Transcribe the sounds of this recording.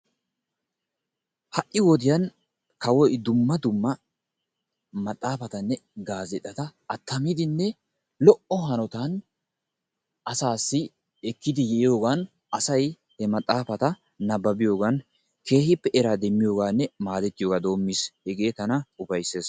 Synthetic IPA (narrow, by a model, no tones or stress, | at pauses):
hɐʔːɪwɔd̪ɪjɐn | kɐwɔjd̪ʊmːɐd̪ʊmːɐ | mɐt̪ʼːaːfɐt̪ɐnːɛɡaːzɛt̪ʼːɐt̪ɐːt̪ːɐmɪd̪ɪnːɛ | lɔʔɔɦɐnɔt̪ɐn | ʔɐsaːsːɪ | ɛkːɪd̪ɪjɛʔɪjo̞ːɡɐn | ɐsɐj | hɛmɐt̪ʼːaːfɐt̪ɐ | nɐbːɐbɪjo̞ːɡɐn | ke̞ːhɪpːɛʔɛɾaːd̪ɛmːɪjo̞ːɡaːnːɛmaːd̪ɛt̪ːɪjoːɡaːd̪o̞ːmːishɛɡe̞ːt̪ɐnɐʊbɐjsːe̞ːs